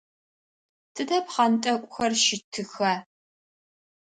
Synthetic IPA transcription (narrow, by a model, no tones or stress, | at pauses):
tʰɨdɐpχɐntʼɐkʷʼʊxɐrʃɪtʰɨxɐ